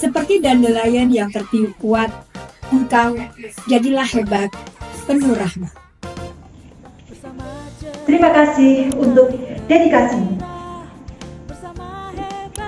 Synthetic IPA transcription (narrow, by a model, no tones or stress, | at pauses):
səpərt̪idandəlajanjaŋt̪ərt̪iukuat̪̚əŋkawd͡ʒadilahebat̪̚pənuɾahma | t̪ɾimakasɪhunt̪ʊk̚dedikasi